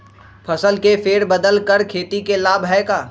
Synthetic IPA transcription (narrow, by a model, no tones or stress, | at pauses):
pʰɐsəlkefeːɽbəd̪əlkəɾkʰeːt̪ikelaːbɦɛːkaː